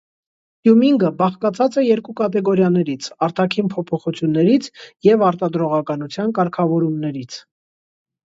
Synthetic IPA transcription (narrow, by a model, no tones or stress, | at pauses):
jumiŋɡəbɑχkɑt͡sʰɑt͡sɛjɛɾkukɑt̪ɛɡɔɾjɑnɛɾit͡sʰɑɾt̪ɑkʰinpʰɔpʰɔχut͡sʰjunːɛɾit͡sʰjɛvɑɾt̪ɑd̪ɾɔʁɑkɑnut͡sʰjɑnkɑɾkʰɑvɔɾumnɛɾit͡sʰ